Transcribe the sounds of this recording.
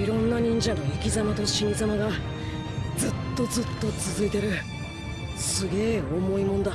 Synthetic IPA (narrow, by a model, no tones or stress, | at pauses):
iɾõ̞nːaɲ̟ĩɲ̟d͡ʑãnoikʲizamat̪o̞ɕinzamaɡa | d͡zɨt̪ːo̞zɨt̪ːo̞t͡sɨzɨit̪e̞ɾɯ̟ | sɨɡe̞ːo̞mo̞imõ̞nd̪a